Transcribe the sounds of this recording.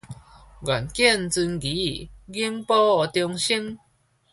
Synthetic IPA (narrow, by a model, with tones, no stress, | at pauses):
ɡwa˨˩nkjɛ˥˧˨nt͡sɨ˧nɡi˨˦˨ɡi˦mpɔ˦ɔ˨˩t̪jɔ˧ŋɕi˦ŋ